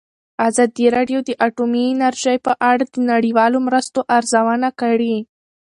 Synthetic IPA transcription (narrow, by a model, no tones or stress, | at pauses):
azɑd̪iɾɑɖjod̪əʔaʈuminaɾʒajpəʔaɽad̪ənaɽiwɑlomɾəst̪oʔaɾzawanakaɽi